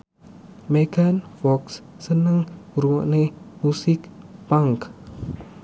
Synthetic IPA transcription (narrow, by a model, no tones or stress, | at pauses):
meɡ̥anfɔksː | ənəŋɾuɔ̰ʔnemusɪk̚paŋk